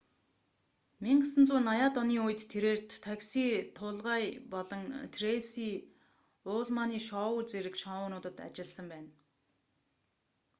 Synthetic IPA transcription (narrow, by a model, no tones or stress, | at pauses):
miɴɢə̆sə̆nt͡suːnajaːt̪ɔniːʊj̆t̪ʰːeɾeːr̥t̪ːʰaksiːt̪ʰʊːɮʁaːjpɔɮɞ̆ŋt̪ʰresiː | ʊːɮmaːniːʃɔːwʊːt͡seɾɘ̆kʃɔwʊːnʊːt̪ə̆t̪a̰t͡ɕɪ̆ɮsə̆mpæːn